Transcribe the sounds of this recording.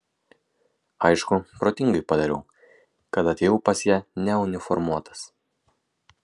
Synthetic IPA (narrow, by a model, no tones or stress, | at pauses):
ɐɪʃkʊpɾoːt̪ʲɪŋɡɐɪpɐd̪ɐɾʲɛʊ | kɐt̪ɐt̪ʲeːjuːpɐsjæːnʲɛʊnʲɪfɔɾmuɔt̪ʰɐ̥s